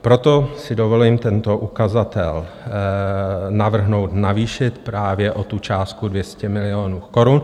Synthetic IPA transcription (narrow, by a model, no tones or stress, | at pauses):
pɾo̞t̪o̞sɪdovoliːmt̪ɛnt̪o̞ʔukazat̪ɛ̰l | navr̩ɦno̞wt̪naviːʃɪt̪pɾaːvjɛʔot̪ut͡ʃaːst̪̚kudvjɛscɛmɪlɪoːnuːko̞ɾun